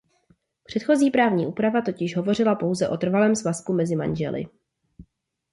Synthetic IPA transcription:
pr̥ɛt̪xo̞ziːpɾaːvɲiːʔuːpɾavat̪o̞cɪʃɦo̞vo̞r̝ɪlapo̞wzɛʔo̞t̪r̩valɛːmsvaskumɛzɪma̰nʒɛ̰lɪ̰

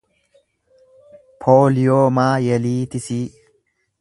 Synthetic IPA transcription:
pʰoːlɪjoːmaːjɛliːt̪ɪsiː

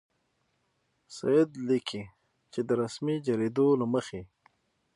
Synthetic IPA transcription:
sajɪd̪likʰi | t͡ʃed̪əɾasmid͡ʒaɾed̪olaməxe

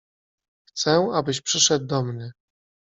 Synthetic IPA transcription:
xt̪sɛabɘɕpʂɘʂɛd̪̚ːɔmnʲɘ

